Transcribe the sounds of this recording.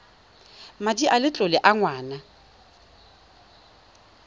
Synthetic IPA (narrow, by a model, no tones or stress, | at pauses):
madiʔalɪt͡ɬʼʊlɪʔaŋwaːna